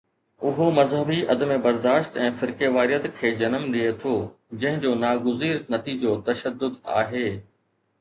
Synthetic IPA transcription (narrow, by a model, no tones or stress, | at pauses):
ʊɦomɐzɦəbiʔɐd̪əmebɐɾd̪aːʃt̪ɛ̃ːfɪɾkeʋaːɾijət̪kʰeːd͡ʑɐnəmɗiet̪ʰo | d͡ʑɐ̃ɦɪ̃d͡ʑoːnaːɡʊziːɾnɐt̪id͡ʑot̪ɐʃəd̪ːʊd̪a̰ːɦeː